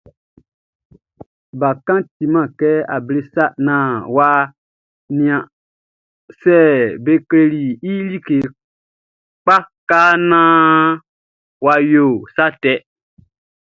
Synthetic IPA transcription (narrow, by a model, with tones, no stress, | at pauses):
ba˨kã˦ti˨mã˨kɛ˦a̰˨ble˦sa˦ʔnãː˨wa˧ | nĩ˨ã˨ | sɛ˦˨be˦ke˦le˦˧li˨i˦li˦ke˨ | k͡pa˦kaː˦nãː˦ | wa˧jo˨sa˦tɛ˦